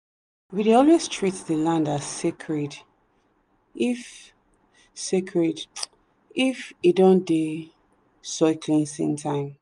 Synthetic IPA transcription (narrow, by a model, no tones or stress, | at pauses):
widiɔlɛstʰɹitðəlãndasekʰɹɛd | if | sekʰɹɛd | ifidõnde | sɔɪkʰlĩnsḭ̃ntʰãɪ̃m